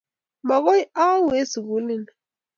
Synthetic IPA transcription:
ma˨kɔ˦ja˦we˦si˨ɡu˨˦li˦˨n

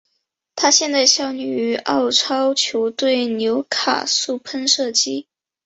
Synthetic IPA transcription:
t̪ʰa˥ɕjɛ˥˧nt͡sa˥˧ɪɕjɑ˥˩ʊny˨˩y˧˥ɑ˥˩ʊʈ͡ʂʰɑ˥ʊt͡ɕʰjo˧˥ʊt̪we˥˩ɪnjo˧˥ʊkʰa̰˨˩su˥˩pʰə˥nʂɤ˥˩t͡ɕi˥

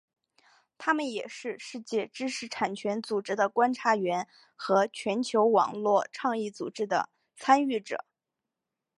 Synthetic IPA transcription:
t̪ʰa˥mə˨njɛ˨˩ʂɻ̩˥˧ʂɻ̩˥˧t͡ɕjɛ˥˧˩ʈ͡ʂɻ̩˥ʂʰɻ̩˧˥ʈ͡ʂʰa˨˩nt͡ɕʰɥɛ˧˥nt͡su˨˩ʈ͡ʂɻ̩˥d̪ə˨kwa˥nʈ͡ʂʰa˧˥ɥɛ˧˥n | xɤ˧˥t͡ɕʰɥɛ˧˥nt͡ɕʰjo˧˥ʊwɑ̰˨˩ŋlwɔ˥˧ʈ͡ʂʰɑ˥˧ŋi˥˩t͡sṵ˨˩ʈ͡ʂɻ̩˥d̪ə̰˧˨ | t͡sʰa˥ny˥˩ʈ͡ʂɤ̰˨˩˦

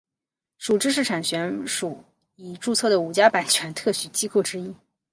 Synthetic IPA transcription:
ʂu˨˩ʈ͡ʂɻ̩˥˧ʂ̬ɻ̩˥˩ʈ͡ʂʰa˨˩nɕɥɛ˧˥nʂu˨˧˩ | i˨˩ʈ͡ʂu˥˧t͡sʰɤ˥˩d̪ə˩u˨˩t͡ɕja˥pa˨˩nt͡ɕʰɥɛ˧˥nt̪ʰɤ˥˩ɕy˨˩t͡ɕi˥ko˥˩ʊʈ͡ʂɻ̩˥i˥

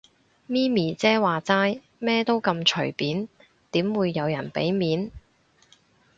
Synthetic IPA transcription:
miː˥miː˨˩t͡sɛː˥waː˨t͡saː˥j | mɛː˥t̪o˥wkɐ˧mt͡ʃʰɵ̰˨˩ɥpiː˨˥n | t̪iː˨˥mwuː˨˧jːɐ˨˧wjɐ˨˩npḛ˨˥jmiː˨˥n

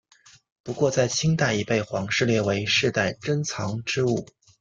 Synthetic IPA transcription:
pu˧˥kwɔ˥˧t͡sa˥˩ɪt͡ɕʰi˥ŋt̪a˥˩i˧˥pe˥˩ɪxwɑ˧˥ŋʂɻ̩˥˧ljɛ˥˩we˧˥ɪʂɻ̩˥˧t̪a˥˩ɪʈ͡ʂə˥nt͡sʰɑ˧˥ŋʈ͡ʂɻ̩˥u˥˩

